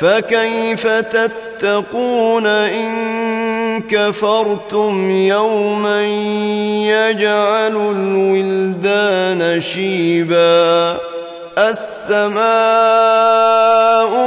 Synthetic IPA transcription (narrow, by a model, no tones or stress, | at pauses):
fakajfat̪at̪ːɑquːnaʔɪn | kafɑɾˤt̪ʊmjawmanjad͡ʒʕalʊlwɪld̪aːnaʃiːbaː | ʔasːamaː | ʔʊ